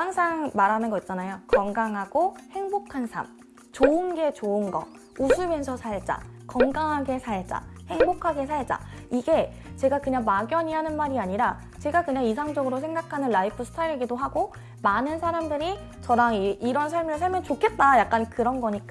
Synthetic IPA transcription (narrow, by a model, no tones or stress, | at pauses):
aŋsʰaŋmaɾanɯnɡʌit̚t͡ɕ͈anajokʌŋɡaŋɦaɡ̥ohe̞ŋbokʰansʰa̰m | t͡ɕoɯnɡe̞t͡ɕoɯnɡʌ̰ | usʰume̞nsʰʌsʰat͡ɕ͈a̰kʌŋɡaŋɦaɡe̞sʰaet͡ɕ͈a̰he̞ŋbokʰaɡe̞sʰaɭd͡ʑ͈a̰ | iɡe̞ | t͡ɕe̞ɡakɯɲaŋmaɡjʌɲiɦanɯnmaɾiaɲiɾa | t͡ɕe̞ɡakɯɲaŋis̬ʰaŋd͡ʑʌɡɯɾosʰe̞ŋɡakʰanɯnlaipʰɯsʰɯ̥tʰaɾɡidoɦaɡo | manɯnsʰaɾamdɯɾi | t͡ɕʌɾaŋiiɾʌnsʰaɭmɯɭsʰaɭmjʌnt͡ɕokʰe̞t̚t͈ajak̚k͈ankɯɾʌnɡʌɲik͈a